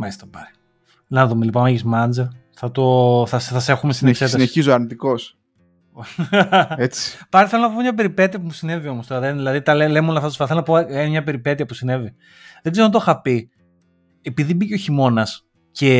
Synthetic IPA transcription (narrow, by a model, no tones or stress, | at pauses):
mɐst̪ɐt̪opɐɾi | nɐðumelipomeʝizmɐnd͡zɐ | θɐt̪o̞θɐsθɐse̞xumesineksetsɐsneiizoɐɾnit̪ikos | et͡si̥pɐɾiθelonɐpomɲɐp̬e̞ɾipe̞t̪iɐpumusine̞vio̞most̪oɾɐðenðilɐðit̪ɐlelemolɐθɐt̪osfɐθelonɐpoemɲɐpe̞ɾipe̞t̪iɐpusine̞vi | ðeɡzeɾoɐt̪̬oxɐpi | epiðibiceo̞çimo̞nɐs | ce̞